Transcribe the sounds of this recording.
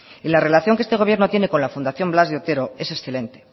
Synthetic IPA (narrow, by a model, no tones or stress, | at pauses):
ilare̞laθjoŋkest̪eɣo̞β̞je̞ɾnot̪je̞ne̞ko̞nlafund̪aθjo̞mblazðeot̪e̞ɾo̞e̞se̞sθe̞le̞nt̪e